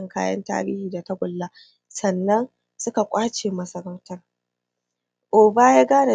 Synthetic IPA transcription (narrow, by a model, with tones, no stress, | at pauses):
ŋkaː˦jɐ̰˦nta̰ː˦bɪ̰ː˦hiː˨da˨tɐ˦ɡʷʊ˨lːaː˦ | sɐ˨nːɐ˦n | sʊ˦ka˨kʷʼaː˦t͡ʃeː˨mɐ˨sɐ˦ɾɐ˦wtɐ˦r | ʔoː˨baː˦jaː˦ɡaː˦na˨